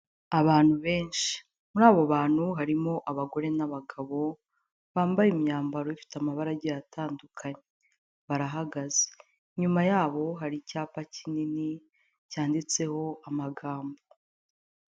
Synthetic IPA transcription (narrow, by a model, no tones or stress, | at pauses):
aβaːn̥huβe̞ːnʃi̥ | muɾaːβoβaːn̥huɦaɾimo̞ʔaβaɡo̞ɾe̞naβaɡaβo̞ | βaːmbajimɲaːmbaɾo̞ifi̥tamaβaɾaɟijataːndukʰaɲe | βaɾaɦaɡaze | ɲumajaːβo̞ɦaɾicaːpacinini | caːndit͡se̞ho̞amaɡaːmbo